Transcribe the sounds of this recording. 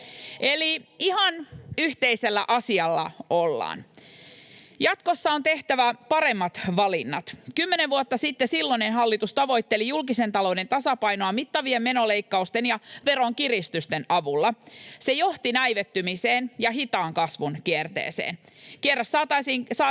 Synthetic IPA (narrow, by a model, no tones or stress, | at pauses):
ʔeliihɑnyht̪eiselːæ̰ʔɑsiɑlːɑ̰olːɑ̰ːn | jɑt̪kosːɑo̞nt̪e̞ht̪æʋæpɑɾe̞mːɑt̪ʋɑlinːɑ̰t̪kymːeneʋʋuot̪ːɑsit̪ːesilːonenɦɑlːit̪ust̪ɑʋo̞it̪ːelijulkise̞nt̪ɑlo̞wdent̪ɑsɑpɑjnoɑmit̪ːɑʋiemme̞no̞leikːɑust̪enjɑʋe̞ɾo̞ŋkirist̪yst̪enʔɑʋulːɑse̞jo̞ht̪inæiʋet̪ːymiseːnjɑɦit̪ɑːŋkɑsʋunkiert̪ḛːsḛːn | kierːɑsːɑːt̪ɑisiːŋsɑː